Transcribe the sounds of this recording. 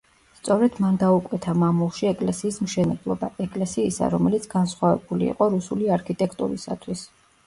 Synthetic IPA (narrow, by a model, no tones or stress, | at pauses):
st̪sʼɔɾɛd̪̥mand̪aukʼwɛt̪ʰamamulˠʃiɛkʼlɛsiːsmʃɛnɛblˠɔbaɛkʼlɛsiːsa̰ɾɔmɛlit̪sʰɡansχwavɛ̰bulḭːqʼɔɾusuliaɾkʰit̪ʼɛkʰt̪ʼṵɾisa̰t̪ʰwis